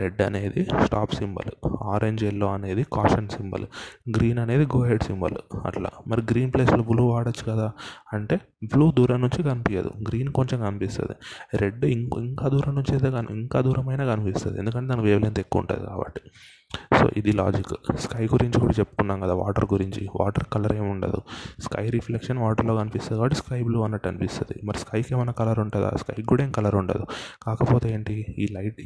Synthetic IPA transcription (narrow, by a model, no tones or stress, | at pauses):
ɾeɖːɐ̰ne̞ːd̪isʈaːpsimbɐ̰luaːɾʔe̞ɲd͡ʒelːo̞ːɐne̞ːd̪ikaːʂɐnsimbɐ̰luɡɾiːnɐne̞ːd̪iɡoːɦeɖsimbɐ̰luɐ̰ʈla̰ːmɐɾiɡɾiːnpleːsloːbuluːʋaːɽɐt͡ʃːu̥kɐd̪aːɐɳʈe̞ː | bluːd̪uːɾɐmnuɲt͡ʃikɐnipijɐ̰d̪ṵɡɾiːnko̞ɲt͡ʃemkɐnipist̪ɐ̰d̪ḭɾeɖːiiŋkaːd̪uːɾɐmnuɲt͡ʃed̪eːɐniŋkaːd̪uːɾɐmɐjnaːkɐnipist̪ɐd̪iend̪uk̬ɐɳʈed̪ankʋeːʋleːnt̪ekːṵːɳʈa̰ːd̪ḭka̰ːbɐ̰ʈːi̥ | so̰ːʔid̪ila̰ːd͡ʒikːskɐjɡuɾiɲt͡ʃikuːɽat͡ʃepːu̥kunːaːmkɐd̪aːʋa̰ːʈɐɾɡuɾiɲt͡ʃiʋʔa̰ːʈɐɾkɐlɐɾeːmuɳʈɐ̰d̪ṵskɐ̰jɾipʰlekʂɐnʋaːʈɐɾloːkɐnipist̪ɐd̪ikaːbɐʈːiskɐjbluːɐnːɐʈːɐnipist̪ɐd̪ḭmɐɾiskɐjkeːmɐjnɐkɐlɐɾuɳʈaːd̪a̰ːskɐjkuːɽɐeːnkɐlɐɾuɳʈa̰ːd̪ukaːkɐpoːt̪eeːɳʈiiːlɐjʈ